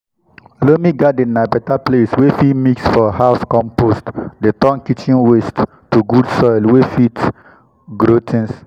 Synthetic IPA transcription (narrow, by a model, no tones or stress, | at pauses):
lomiɡadenabɛtapleswefitmiksfɔhaʊskɔ̃mpostdetɔ̃nkit͡ʃĩnwestː | uɡudsɔjlwefit | ɡɾotʰĩns